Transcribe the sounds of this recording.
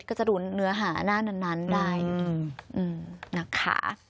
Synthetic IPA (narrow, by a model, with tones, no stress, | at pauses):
kːt͡ɕa˨˩duː˧˩nːɯ˦˥ɐɦaː˩˦naː˥˩na˧˩nːa˦˥ndaː˥˩jʔɯː˧˩mna˦˥˩kʰa̰˦˥˩